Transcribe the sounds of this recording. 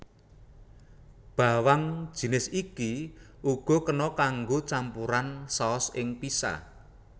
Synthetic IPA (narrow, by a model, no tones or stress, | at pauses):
b̥a̤waŋd̥ʒ̥i̤nɪsiki | ʔuɡ̥ɔ̤kənɔkaŋɡot͡ʃampuɾansaːsɪŋpisa̰